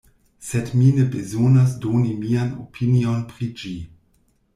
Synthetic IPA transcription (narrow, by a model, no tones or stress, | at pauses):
sɛdminəbezonas̬doːnimiano̰pʰinionpʁid͡ʒi